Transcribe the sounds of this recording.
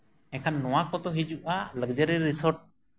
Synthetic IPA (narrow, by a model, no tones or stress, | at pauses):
ɛkʰanːɔw̃akɔt̪ɔɦid͡ʒuʔaləɡd͡ʒəɾiɾːisɔɾʈ̚